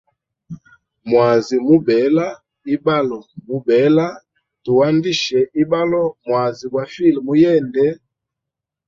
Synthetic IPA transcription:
mwa˨zi˨mu˦bɛ˨˦la˦ | i˦ba˦lɔ˨mu˦bɛ˨˦la˦ | tu˨wa˦ndi˦ʃɛ˨ʔi˦ba˦lɔ˦mwa˨zi˨bwa˨fi˦˨lmu˦jɛ˦˨ndɛ˦

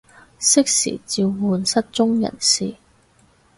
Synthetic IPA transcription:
sɪ˥k̚sḭː˨˩t͡siː˧wːuː˨˧nsɐ˥t̚t͡sʊ˥ŋjɐ̰˨˩nsiː˨

